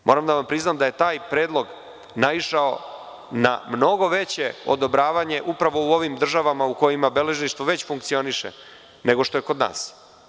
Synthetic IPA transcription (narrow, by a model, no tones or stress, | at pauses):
mʔo̞ɾamd̪aʋampɾiznaːmd̪aje̞t̪aːjpɾeːd̪lˠo̞ɡ | naʋiʃao̞ | na̰mno̞ɡo̞ʋe̞t͡ɕeo̰d̪o̞bɾaːʋaɲe̞ʔupɾaʋo̞uo̞ʋimd̪r̩ʒaʋamauko̞jimabele̞ʒniʃt̪ʋoʋe̞t͡ɕfuŋk̚t̪sio̞niʃḛ | ne̞ɡo̞ʂt̪ojeko̞d̪na̰ːs